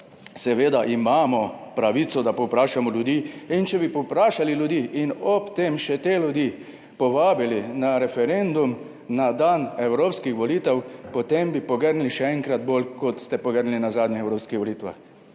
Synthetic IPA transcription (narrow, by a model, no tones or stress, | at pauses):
sɛʋeːd̪aʔimaːmɔpɾaʋiːt̪sɔd̪apɔwpɾaːʃamɔljud̪iːint͡ʃɛbipɔpɾaːʃaliljud̪iːʔinɔpt̪eːmʃɛt̪eljud̪i | pɔʋaːbilinaɾɛfɛɾend̪um | nad̪anɛwɾoːpskixʋɔliːt̪ɛwpɔt̪embipɔɡəɾnliʃɛɛŋkɾat̪bolkɔt̪st̪ɛpɔɡəɾnlinazaːd̪nʲɛɛwɾoːpskixʋɔliːt̪ʋa̰x